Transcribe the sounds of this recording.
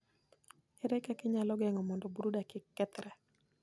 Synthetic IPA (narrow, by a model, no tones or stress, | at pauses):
ɛɾɛkakɪɲalɔɡɛŋɔmɔndɔbuɾudakɪkːɛt̪ɾɛ